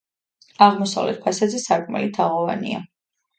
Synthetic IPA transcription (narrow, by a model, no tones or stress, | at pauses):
aʁmɔsa̰vlɛ̰t̪̚pʰasad̪zɛsaɾkʼmɛ̰lit̪ʰaʁɔva̰nḭa